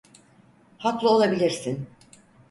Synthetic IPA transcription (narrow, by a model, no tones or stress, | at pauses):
haklˠɯo̞lˠabilʲiɾsin